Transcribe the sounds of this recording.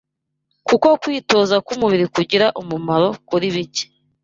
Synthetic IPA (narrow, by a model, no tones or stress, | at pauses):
kuko̞kwiːto̞ːzakumuβiɾikuɟiɾaʔumumaɾo̞kuɾiβice̥